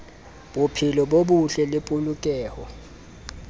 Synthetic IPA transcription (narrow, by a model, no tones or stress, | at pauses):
bupʰilɔɓoɓuɬɛlɪpʼulukʼɛːhɔ